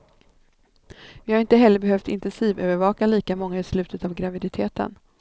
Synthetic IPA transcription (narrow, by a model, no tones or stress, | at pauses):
vɪhaɾɪnt̪əɦɛlːəɾbɛɦœft̪ɪ̰nt̪ɛnsiːvøːvəɾvɑːkaliːkamɔŋːaɪslʉ̟ːt̪ət̪avɡɾavɪd̪ɪt̪ʰeːt̪ə̰n